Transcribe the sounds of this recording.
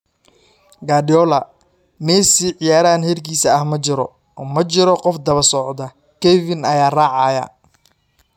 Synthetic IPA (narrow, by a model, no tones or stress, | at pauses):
ɡaːdɪjɔlɐ | mɛːsiʕɪjaːɾaːnhɛrkʰiːsɐːhmɐt͡ʃɪɾɔ̰ | mɐt͡ʃɪɾɔqɔfd̪ɐβɐsɔʕd̪ɐ | kɛvɪnɐjaːraːʕɑjɐ̰